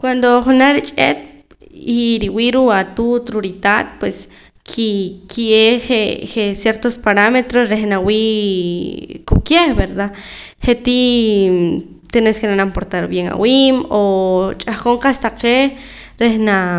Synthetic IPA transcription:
kwand̪oχunaɾit͡ʃʼḛt̪̚ | iɾiwiɾuat̪ut̪ɾuɾit̪at̪̚pwes | kʰikʰieχeχesjeɾt̪ospaɾamet̪ɾosɾehnawiː | kukjebeɾd̪a | χet̪i | t̪eneskenanampoɾt̪aɾbjeŋa̰wiːmot͡ʃʼahχoɴqast̪aqe | ɾehna

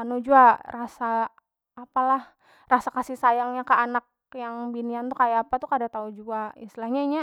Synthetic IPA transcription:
anod͡ʒuarasaː | palah | rasakasisajaŋɲakəanak̚ | jaŋbiniant̪ukajaːpat̪ukadat̪aud͡ʒuaḭst̪ilahɲaiɲa

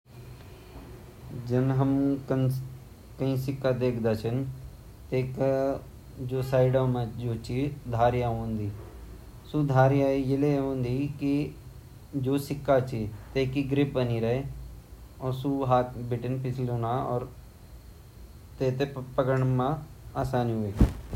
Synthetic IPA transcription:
d͡ʒɪnɦəmkə | kəĩːsɪkːad̪eːkʰd̪aːt͡ʃʰən | t̪eːka | d͡ʒoːsaːɪɖaːmãd͡ʒoːt͡ʃʰid̪ʱaːɾjaõːnd̪iː | sud̪ʱaːɾɪjajɪleõːnd̪iːki | d͡ʒoːsɪkːat͡ʃʰit̪eːkiɡɾɪp̚bəniɾɐe | ɔːɾsuɦaːt̪bɪʈɪnpɪt͡ʃʰloːnaɔ̰ːɾ | t̪eːt̪epəkəɳ̃mãaːsaːniɦoeː

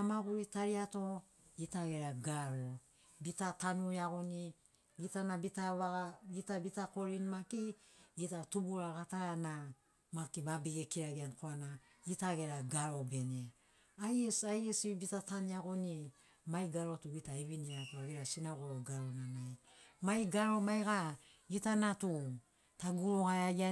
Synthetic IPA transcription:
amaɡuɾitaɾiato̞ | itaɡe̞ɾaɡaɾo | bitatanuiaɡoni | ɡitanabitaβaɡaɡitabitako̞ɾinmakiɡitatubuɾaɡatana | makibabiɡekiɾaɡiankoanaɡitaɡeɾaɡaɾo̞bene | ajesajesibitataniaɡoni | majɡaɾo̞tuɡitaiβiniakoaɡeɾasinaɡoɾoɡaɾonanaj | majɡaɾo̞majɡa | ɡitanatu | taɡuɾoɡajaɡia

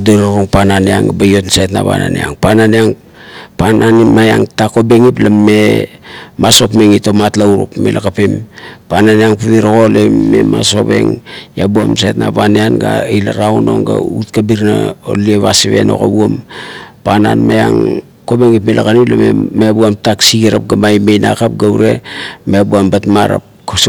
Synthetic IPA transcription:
doɾaɾoŋpananeaŋbajo̞tnsatna̰βa̰na̰neaŋpananeaŋ | panʔanimajaŋtako̞be̞ŋiplame̞ | maso̞pmeŋitomatlauɾo̰pmelʔakapimpananeaŋpuβiɾoɣo̞leːe̞maso̞pe̞̰ŋjabua̰msetna̰βaneanɡailaɾawno̞̰ŋɡa̰utkabiɾna̰o̰lieβasiβe̞̰no̞̰kabuompana̰nmaja̰ŋ | ko̞beŋipmelʔakaniplamḛmebuamtaksiɡiɾap̚ɡamajmejna̰kap̚ɡawɾe̞mebuambatmaɾa̰p̚ | k

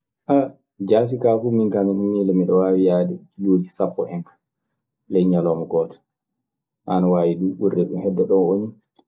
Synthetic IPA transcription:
ʔa | d͡ʒas̬ikafuminkamiɗumːilɛmiɗɔwawijaːdɛloːd͡ʒisafːɔ̰ʔɛŋkḁ | lɛjɲalɔmɔɡɔtḁ | ʔa̰nawaːwiɗuɓurːɛɗṵmhɛdːɛɗɔnoni

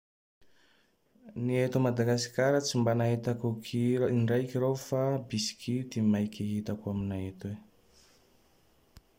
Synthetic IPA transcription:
niet̪umad̪aɡasi̥kʲaɾət͡simbanaɦet̪akukʰiinɖ͡ʐajkiɾofabisi̥kʰit̪imajkʲiɦit̪akuaminaɦet̪we

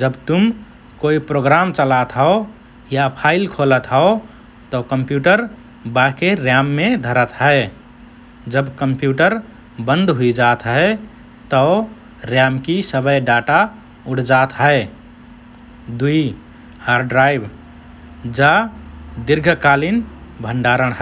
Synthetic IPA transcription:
d͡ʒəbt̪um | koipɾoɡɾamt͡ʃəlat̪ɦəo | japʰaɪlkʰolət̪ɦəo | t̪ɔkəmpjuːʈəɾ | bakeɾjamːed̪ʱəɾət̪ɦəe | d͡ʒəbkəmpjuʈəɾ | bə̃nd̪ɦuid͡ʒat̪ɦə | t̪ɔ | ɾjamkisəbəjɖaʈa | uʈʰd͡ʒat̪ɦəe | d̪ui | haɾɖɾaibʱ | d͡ʒad̪iɾɡʱkalinbʱəɳɖaɾəɽ̃ɦə

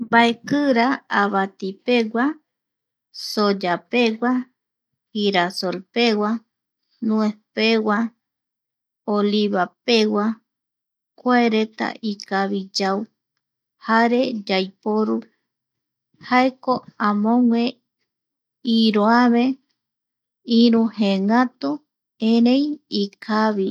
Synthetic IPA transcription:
baekɨɾaaβat̪ipe̞wʷa | sod͡ʒapewa | hiɾasolpewa | nũepewa | oliβapewa | kʷaeɾe̞t̪a̰ʔikaβid͡ʒaw | haɾe̞d͡ʒajpoɾu | haekoãmõŋʷẽ | iɾoaβe | ĩɾũheŋat̪u | eɾẽjikʰaβi

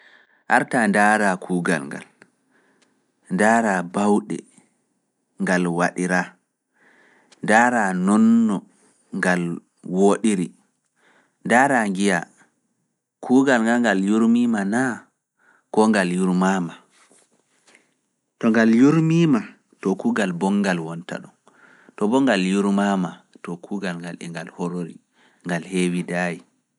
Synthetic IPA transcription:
ʔaɾtandaːɾakʰuːɡa̰lŋɡa̰l | ndaːɾabawɗɛ̰ | ŋɡalwaɗiɾa | ndaːɾanɔnːɔ | ŋɡal | woɗiɾi | ndaːɾaŋɡija | kʰuːɡalŋɡalŋɡaljuɾmimana | kɔŋɡaljuɾmama | tɔŋɡaljuɾmima | tɔkuːɡalbɔŋɡalwɔnta̰ɗɔn | tɔbɔŋɡaljuɾmamatɔkʰuːɡalŋɡalɛ̰ŋɡalhɔɾoɾḭ | ŋɡalhewidaji

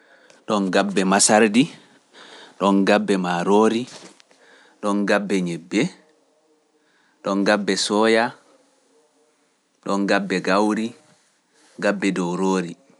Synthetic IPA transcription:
ɗɔnɡabːɛmasaɾdi | ɗɔnɡabːɛmaɾoːɾi | ɗɔnɡabːɛɲebːɛ | ɗɔnɡabːɛsɔːja | ɗɔnɡabːɛɡawɾi | ɡabːɛdɔwɾoːɾi

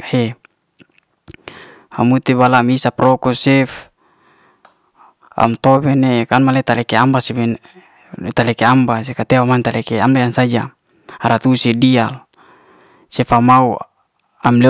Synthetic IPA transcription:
he | a̰mut̪ibalamisapɾɔkusɛf | a̰mt̪obɛnekanmalet̪alɛkeambasibe | t̪alɛkeambas̬ekat̪ewamant̪alekeamlajansad͡ʒa | aɾat̪usedial | sɛfamau | amle

